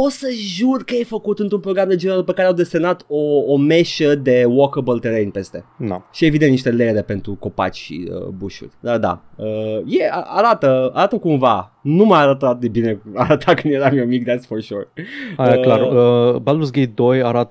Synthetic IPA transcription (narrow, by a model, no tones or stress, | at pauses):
o̞səʒurkəjejfəkut̪ɨnt̪ɾumpɾo̞ɡɾamd̪ed͡ʒeeɾalpəkaɾeawd̪e̞senat̪oːmeʃəd̪e̞wokəbəlt̪eɾejnpe̞st̪e̞d̪a̰ʃie̞vid̪ent̪niʃt̪e̞leɾe̞pe̞nt̪ɾuko̞pa̰t͡ʃʲʃḭə̰buʃṵrʲd̪ad̪a̰əjea̰aɾat̪əa̰ɾat̪əkumva | numajaɾət̪at̪̚d̪e̞bine̞aɾət̪ʰakɨnd̪jeɾamjewmik̚d̪asfoʃorajaklaɾəballus̬ɡej̚d̪ojaɾat̪ə